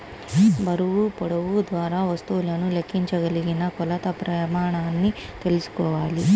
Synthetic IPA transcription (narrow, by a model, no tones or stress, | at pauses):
bɐɾuʋupɔɽɐʋud̪ʋaːɾaːʋɐst̪uːlɐnulekʰːiɲt͡ʃɐɡɐliɡinɐkɔlɐt̪ɐpɾɐmaːɳaːnːi | t̪e̞lusu̥kɔːʋaːli